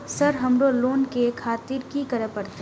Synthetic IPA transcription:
sɐɾɦɐmɾoloːnkekʰaːt̪ɪɾkikɐɾəpɐɾt̪e

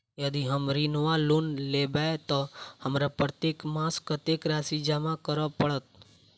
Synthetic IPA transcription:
jɐd̪iɦəmɾinwalunlebɛt̪ɔhɐmɾapɾət̪eːkmaːskət̪eːkɾaːsid͡ʒaːmakəɾəpəɽət̪

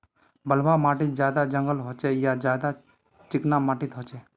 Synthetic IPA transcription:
bəlbamaːʈɪt̪̚d͡ʒjaːd̪ad͡ʒə̃ŋɡəlɦoːt͡ʃejad͡ʒjaːd̪a | t͡ʃɪknamaːʈɪt̪ɦot͡ʃeː

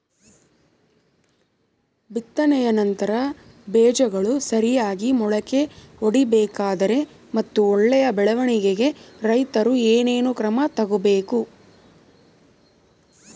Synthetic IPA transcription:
bit̪ːɐnɛjɐnɐnt̪ɐɾɐ | beːd͡ʒɐɡɐɭusɐɾijaːɡimɔɭɐke̞oɽibɛːkaːd̪ɐɾe̞ | mɐt̪ːuɔɭːɛjɐbɛɭɐʋɐɳiɡeɡe̞ɾɐjt̪ɐɾueːneːnukɾɐmɐt̪ɐɡubeːku

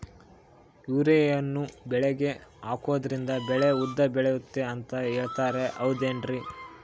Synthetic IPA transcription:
juːɾejɐnːubɛɭɛɡe̞aːkoːd̪ɐɾind̪ɐbɛɭeud̪ːɐbɛɭejut̪ːe̞ɐnt̪ɐɦeːɭt̪aːɾe̞ʔɐwd̪eːɳɖɾi

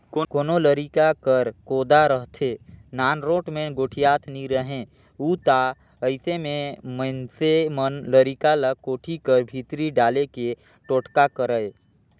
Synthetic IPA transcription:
kːkoːnoləɾikakəɾkoːd̪aɾəɦt̪ʰeːnaːnɾoːʈmẽɡoːʈʰijaːt̪ʰniɾəɦẽ | uːt̪a | əɪsemẽməɪnsemənləɾikaləkoːʈʰikəɾbʱiːt̪ɾiɖaːleke | ʈoːʈkakəɾəe

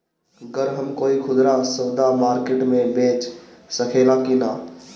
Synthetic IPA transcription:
ɡəɾɦəmkoːikʰʊd̪ɾãsəːd̪amaːɾkeʈmẽbeːt͡ʃsəkʰeːlãkinaː

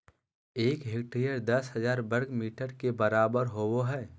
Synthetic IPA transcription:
eːkɦekʈɾijəɾd̪ɐsɦəzaːɾbəɾɡmiːʈəɾkebɐɾaːbəɾɦowoɦɛː

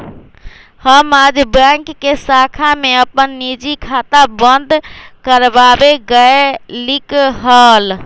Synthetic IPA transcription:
həmad͡ʒbɛ̃ŋkːesakʰameəpənːid͡ʒikʰat̪abənd̪ʱkəɾbabeɡəelikɦəl

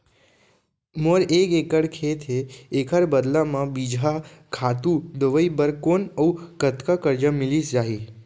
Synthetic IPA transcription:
moɾekekəɽkʰet̪ʰeːkʰəɾbəd̪lamãbid͡ʒʱakʰat̪ud̪əʋəibəɾkonəukət̪kakəɾd͡ʒəmɪlisd͡ʒaɦi

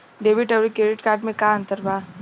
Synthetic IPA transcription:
ɖeːʋɪʈɐʋɾikɾeːɖɪʈkaːɾʈmẽkaːɐ̃nt̪əɾbaː

